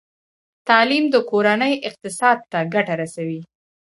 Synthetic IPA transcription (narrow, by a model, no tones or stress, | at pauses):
t̪ɑlimd̪əkoɾanəjʔɪq̚t̪ɪsɑd̪̚t̪aɡaʈaɾasawi